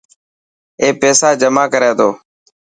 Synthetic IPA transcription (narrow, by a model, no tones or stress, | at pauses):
eːpeːsaːd͡ʒəmaːkəɾeːt̪oː